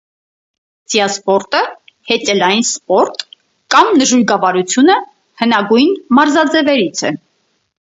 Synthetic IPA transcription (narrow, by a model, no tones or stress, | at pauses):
t͡sijɑspɔɾt̪ə | hɛt͡sɛlɑjinspɔɾt̪ | kɑmnəʒuɾɡɑvɑɾut͡sʰjunə | hənɑɡujnmɑɾzɑd͡zɛvɛɾit͡sʰɛ